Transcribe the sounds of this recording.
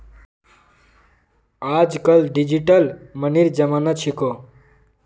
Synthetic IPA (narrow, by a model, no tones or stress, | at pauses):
aːd͡ʒkəlɖid͡ʒiʈəlməniɾd͡ʒəmanat͡ʃʰiko